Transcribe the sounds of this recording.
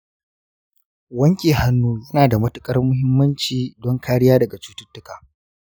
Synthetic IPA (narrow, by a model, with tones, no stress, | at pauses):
wɐ˦ŋkʲʼeː˨ha˦nːuː˦jɐ˦naː˨da˨mɐ˦tʊ˦kʼɐ˦rmʊ˦ɦɪ˦mːɐ˦nt͡ʃiː˨dɔ˦ŋkʰaː˦ɽɪ˦jaː˦dɐ˨ɡa˨t͡ʃuː˦tʊ˦tːʊ˦kaː˨